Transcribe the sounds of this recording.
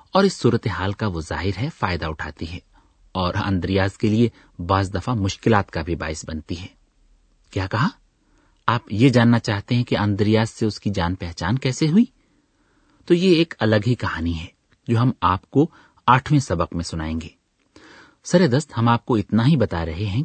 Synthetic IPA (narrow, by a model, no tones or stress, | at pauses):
ɔːɾɪsːuːɾət̪eɦaːlkaʋoza̰ːɦɪɾɦɛfaːɪd̪aʊʈʰa̰ːt̪iɦɛː | ɔːɾɐ̰̃nd̪ɾijaːzkelie | baːzd̪ɐfamʊʃkɪlaːt̪kabʱiba̰ːɪsbɐnt̪iɦɛː | kjaːkɐɦa | aːpjed͡ʒaːnːat͡ʃaːɦt̪eɦɛ̃keʔɐ̃nd̪ɾɪjaːzseʊskid͡ʒaːnpɛɦt͡ʃaːnkɛːseɦʊi | t̪oːjeeːkɐləɡɦikɐhaːniɦɛː | d͡ʒoːɦɐmaːp̚ko | aːʈʰʋẽsɐbəqmẽsʊnaːẽːŋɡeː | sɐɾed̪əst̪hɐmaːp̚koɪt̪naɦibɐt̪aɾɐɦeɦɛ̃